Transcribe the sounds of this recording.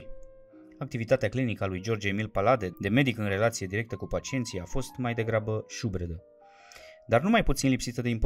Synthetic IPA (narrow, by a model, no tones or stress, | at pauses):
ak̚t̪ivit̪at̪eaklinikəalujd͡ʒo̞rd͡ʒemilpalad̪e̞d̪e̞me̞d̪ikɨnre̞lat̪sije̞d̪iɾe̞k̚t̪əkupat͡ʃie̞nt̪sijafo̞st̪majd̪e̞ɡɾabəʃubɾed̪ə | d̪arnumajput̪sinlipsit̪əd̪eimp